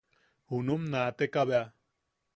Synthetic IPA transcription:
hunumnat̪ekaβea

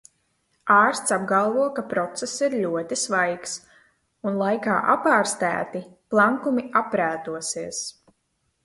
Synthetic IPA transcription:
aːɾst̪sab̚ɡalˠvuɔkapɾɔt̪sɛsiɾʎʲuɔt̪isvajks | unlˠajka̰ːʔapaːɾst̪æ̰ːt̪iplˠaŋkumiapɾæːt̪uɔsiɛs

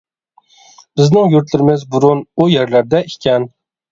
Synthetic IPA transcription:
b̥ɪznɪŋjʊɾt̪lɪɾɪmɪzbʊɾʊnʊjeɾlaɾd̪aɪkʲan

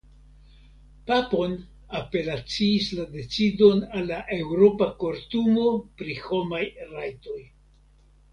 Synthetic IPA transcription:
papo̞n | ape̞lat͡siːslade̞t͡sido̞nalːaʔe̞wɾo̞pakoɾtumo̞pɾiho̞majɾajto̞j

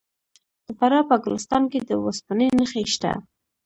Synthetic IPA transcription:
d̪̥əfaɾɑpəaɡʊlɪst̪ɑnked̪əwaspanenəxeʃt̪a̰

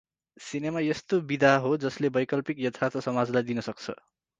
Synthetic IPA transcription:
sinemajest̪obid̪ʱaɦod͡zʌslebʌjkʌlpikjʌt̪ʰːart̪ʰʌsʌmad͡zlajd̪inʌsʌk̚t͡sʰʌ̰

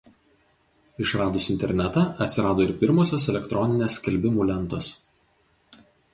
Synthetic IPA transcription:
ɪʃɾɑːd̪ʊsɪnʲt̪ʲɛɾʲnʲɛt̪ɑʔɐt̪ʲsʲɪɾɑːd̪oːɪɾpʲɪɾmoːsʲoːsɛlʲɛkt̪ɾɔnʲɪnʲeːsʲkʲɛlʲbʲɪmuːlʲɛnˑt̪oːs

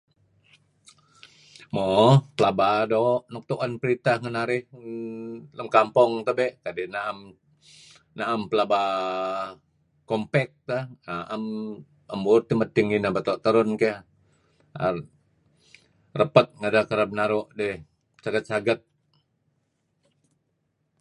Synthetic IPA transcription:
mopəlabadoʔnɔk̚t̪uʔanpəɾit̪ahŋənaɾɪh | ləmkampɔŋt̪əbɛʔkadɛnaam | naʔampəlaba | kɔmpɛk̚t̪anaʔəm | əmburt̪imət̪ːiŋinabat̪ɔʔt̪əɾʊnka | a̰ | rəpət̪̚ŋədakəɾəp̚naɾoʔdɛh | t͡ʃaɡət̪̚t͡ʃaɡət̪̚

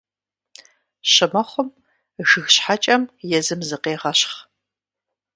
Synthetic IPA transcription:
ɕɨmɐχʷʊm | ɣɨɣɕħat͡ʃʼɐmjɛzɨmzɨqeːʁɐɕχ

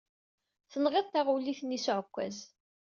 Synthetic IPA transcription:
θənʁiðˤt̪ːaʁuliθnːisʊʕəkʷːæ̰z

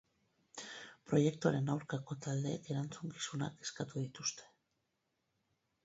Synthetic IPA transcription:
pɾo̞je̞kt̪uaɾe̞nawɾkako̞t̪ald̪e̞ke̞ɾant͡suŋki̥suna̰ke̞skat̪uðit̪ust̪e̞̥

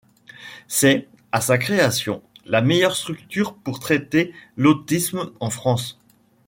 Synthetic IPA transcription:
sɛ | asakχeasjɔ̃lamejœʁst̪χyk̚t̪yʁpuʁt̪χɛt̪elot̪ismɑ̃fχɑ̃s

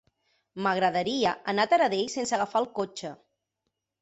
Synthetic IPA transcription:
məɣɾəðəɾiəʔənat̪əɾəðejsensəɣafalˠkot͡ʃə

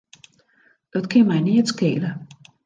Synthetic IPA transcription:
d̥ɔtkʰɪnmɛjniətskḛːlə

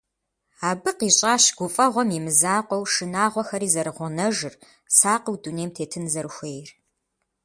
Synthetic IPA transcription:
aːbɨqiːɕʼaːɕɡʷʊfʼɐʁʷɔmimɨzaːqʷɔwʂɨnaːʁʷɔxɐɾiːzɐɾɨʁʷʊnɐʒɨr | saːqəwduneːmtʰeːtʰɨnzɐɾɨxʷeːjr

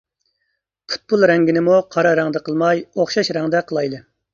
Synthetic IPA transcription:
pʰu̥t̪̚pulˠɾɛŋɡʲinɪmuqʰɑɾɑɾæŋd̪ɛqʰəlˠmɑjoχʃɑʃɾæŋd̪ɛqʰəlˠɑjd̪ɨ

